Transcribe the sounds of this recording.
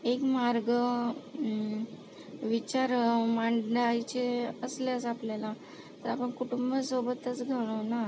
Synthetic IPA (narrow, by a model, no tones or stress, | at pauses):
ekmaɾɡə | ʋit͡ɕaɾmaɳɖajt͡ɕeəsljasapljala | t̪əɾapəɳkuʈumbəsobət̪ət͡sɡʱəɽ̃ona